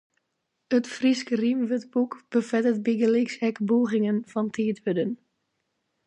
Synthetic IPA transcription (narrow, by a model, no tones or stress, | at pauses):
ətfriskərimʋətbukb̥əfɛtət̚bɪɡəlɪksɛkboːɣɪŋənfɑntʰeːthødən